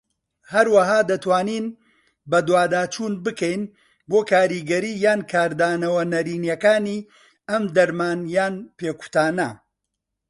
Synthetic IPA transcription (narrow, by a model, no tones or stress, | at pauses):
hɐɾwɐɦaːd̪ɐt̪waːniːn | bɐd̪waːd̪aːt͡ʃuːnbɨkɛjn | boːkʰaːɾiːɡɐɾiːjaːnkʰaːɾd̪aːnɐwɐnɐɾiːnjɐkaːniː | ɐmd̪ɐɾmaːnjaːnpeːku̥t̪aːnɐ